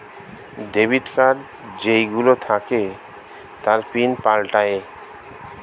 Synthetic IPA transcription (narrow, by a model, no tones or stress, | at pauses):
ɖebiʈkaɾ | d͡ʑejɡulot̪ʰake | t̪aɾpinpalʈae